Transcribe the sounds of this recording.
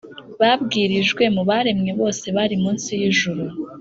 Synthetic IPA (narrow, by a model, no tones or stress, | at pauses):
βabɡiːɾiʒɡwe̞muβaɾe̞mɲe̞βo̞ːse̞βaɾimuːnsijiʒuɾu